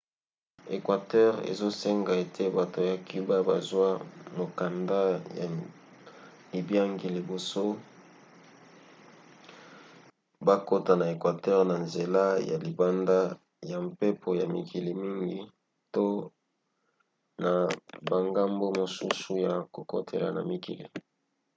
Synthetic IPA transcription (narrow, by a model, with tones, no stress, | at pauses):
e˨kwa˨tɛ˦ʁḛ˨zo˦se˦ŋɡa˨e˨tʰe˦ba˨to˨ja˨ki˦ba˦ba˨zwa˦mo˨ka˨nda˦ja˨ | li˨bja˦ŋɡi˨li˨bo˨so˦ | ba˦ko˦ta˨na˨e˨kwa˨tɛ˦ʁna˨nze˨la˦ja̰˨li˨ba˦nda˦ | ja˨mpe˦pʰo˨ja˨mi˨kʰi˨li˨mi˦ŋɡi˦ | to˦ | na˨ba˨ŋɡa˦mbo˦mo˨su˦su˦ja˨ko˨ko˦tʰḛ˨la̰˨na̰˨mi˨kḭ˨lḭ˨